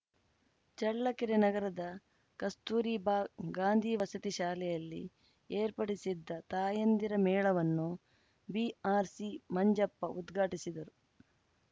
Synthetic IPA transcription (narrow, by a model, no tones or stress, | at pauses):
t͡ʃɐɭːɐkiɾenɐɡɐɾɐd̪ɐ | kɐst̪uːɾiːbaːɡaːnd̪ʱiːʋɐsɐt̪iʃaːlɛjɐlːḭ | eːɾpɐɽisid̪ːɐt̪aːjɐnd̪iɾɐmɛːɭɐʋɐnːu | biaːɾsimɐɲd͡ʒɐpːɐʔud̪ɡʱaːʈisid̪ɐɾu